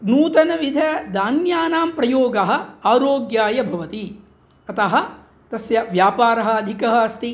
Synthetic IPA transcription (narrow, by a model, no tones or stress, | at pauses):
nuːt̪ɐnɐʋid̪ʱɐd̪aːnjaːnaːmpɾɐjoːɡɐɦɐ̆aːɾoːɡjaːjɐbʱɐʋɐt̪i | ɐt̪ɐɦɐ̆ | t̪ɐsjɐʋjaːpaːɾɐɦɐ̆ɐd̪ʱikɐɦɐɐst̪i